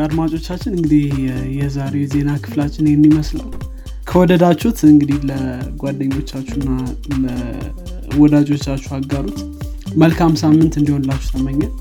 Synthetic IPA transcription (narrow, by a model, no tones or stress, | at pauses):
ad̪mat͡ʃʼo̞t͡ʃːat͡ʃːɪnɨŋɡɨd̪ihjɛzaɾe̞ze̞nakʰɨ̥flat͡ʃːɪnjɛmːiməslaw | kʰəwɔd̪əd̪at͡ʃːut̪ʰɨŋɡɨd̪ihləɡʷad̪ːəɲːo̞t͡ʃːat͡ʃːunːalə | wɔd̪ad͡ʒo̞t͡ʃːat͡ʃːuhaɡaɾut̪ | məlkʰamsamːɨnt̪ɨnd̪iho̞nlat͡ʃːu̥t̪ʰəməɲːat̪